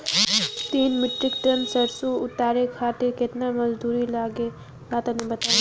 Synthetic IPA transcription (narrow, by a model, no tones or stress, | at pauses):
t̪iːnmɪʈɾɪkʈəmsɐɾsuʊt̪aːɾekʰaːʈ̪ekɪt̪namɐzd̪uːɾilaːɡe | baːt̪anĩbɐt̪aː